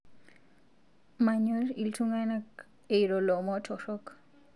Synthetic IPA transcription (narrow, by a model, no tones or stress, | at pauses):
maɲeɾiltʰuŋanak | ejɾolomɔtʰɔɾɔk